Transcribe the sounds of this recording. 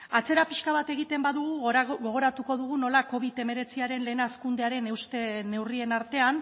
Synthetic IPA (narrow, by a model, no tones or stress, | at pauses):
at͡se̞ɾapiʃkaβ̞at̪e̞ɣit̪e̞mbaðuɣuɣɣo̞ɣ̞o̞ɾat̪uko̞ðuɣuno̞lako̞β̞it̪e̞me̞ɾe̞t͡siaɾe̞nle̞ːnaskund̪e̞aɾe̞ne̞wst̪e̞ne̞wrie̞naɾt̪e̞an